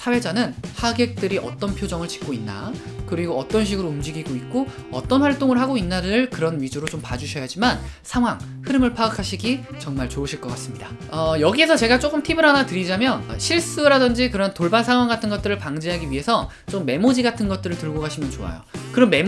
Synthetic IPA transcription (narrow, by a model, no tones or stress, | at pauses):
sʰawe̞d͡ʑanɯnhaɡe̞k̚t͈ɯɾiʔʌ̰t͈ʌnpʰjod͡ʑʌŋɯɭt͡ɕi̥k͈oinːa̰kɯɾiɡoʌt͈ʌnɕ̬ʰiɡɯɾoumd͡ʑiɡiɡoit̚k͈oʌ̰t͈ʌnɸwaɭt͈oŋɯɭɦaɡoinːaɾɯɭkɯɾʌnɥid͡ʑuɾot͡ɕompad͡ʑuɕʰʌjad͡ʑimansʰaŋɦwaŋ | hɯɾɯmɯɭpʰaɡakʰaɕʰiɡit͡ɕʌŋmaɭt͡ɕoɯɕʰiɭk͈ʌk͈as͈ɯmɲida | ʌjʌɡie̞sʰʌt͡ɕe̞ɡat͡ɕ͈ok͈ɯmtʰibɯɾɦanatɯɾid͡ʑamjʌnɕʰiɭs͈ɯɾadɯnd͡ʑikɯɾʌntoɭbansʰaŋwaŋɡatʰɯnɡʌt͈̚ɯɾɯɭpaŋd͡ʑiɦaɡiɥiɦe̞sʰʌ | t͡ɕ͈omːe̞mod͡ʑiɡatʰɯnɡʌt̚t͈ɯɾɯɭtɯɭɡoɡaɕʰimjʌnt͡ɕoa̰jo̰kɯɾʌnme̞